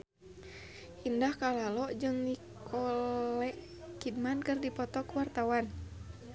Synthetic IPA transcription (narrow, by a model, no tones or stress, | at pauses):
indahkalalɔʔd͡ʒɨŋnikʰɔlɛʔ | kid̚mankɨrdipɔt̪ɔkuwart̪awan